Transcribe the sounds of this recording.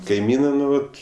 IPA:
kɐɪˈmʲiːnɜ ˈnʊ ˈʋɐt

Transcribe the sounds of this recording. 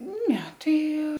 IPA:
ˈnʲɛ ˈtɐɪ

